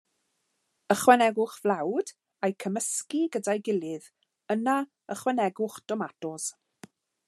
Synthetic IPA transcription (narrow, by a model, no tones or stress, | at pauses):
əχwɛnɛɡʊχvlˠawd | ajkʰəməskiɡədajɡɪlˠɨð | əna | əχwɛnɛɡʊχd̥ɔmatɔz̥